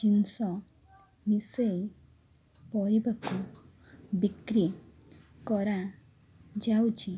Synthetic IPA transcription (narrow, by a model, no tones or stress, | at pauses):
t͡ʃinsɔ | misej | pɔɾibakɔ | bikɾi | kɔɾa | d͡ʒawt͡ʃi